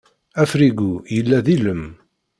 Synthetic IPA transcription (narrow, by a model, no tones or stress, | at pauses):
æfɾiɡujəlːæðiləm